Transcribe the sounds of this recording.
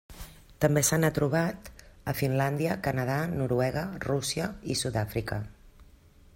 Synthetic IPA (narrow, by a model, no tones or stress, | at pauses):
t̪əmbesanət̪ɾuβ̞at̪əfinland̪iəkənəðanuɾuɛɣərusiəisuðafɾikə